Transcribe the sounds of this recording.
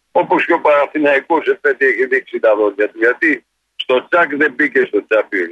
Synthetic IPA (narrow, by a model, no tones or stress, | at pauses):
oposçopɐɾɐθinɐikosepet̪ieçiðiksit̪ɐðocːɐt̪uʝɐt̪i | st̪o̞t͡sakðebicest̪ot͡sapi